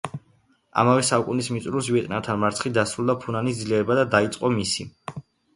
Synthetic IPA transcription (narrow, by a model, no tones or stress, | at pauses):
a̰mavɛsaukʼunismit̪sʼɾusviɛt̪ʼnat̪ʰanmaɾt̪sʰχid̪asɾulˠd̪apʰunanisd̪zliɛɾɛbad̪ad̪ait̪sʼqʼɔmisi